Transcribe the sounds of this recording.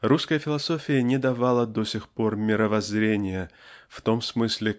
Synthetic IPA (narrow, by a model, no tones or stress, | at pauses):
ruskəjəfʲɪlˠɐso̞fʲɪjənʲɪd̪ɐvalˠəd̪osʲɪxpo̞rmʲɪɾəvɐzɾʲenʲɪjəft̪o̞msmɨsʲlʲɪ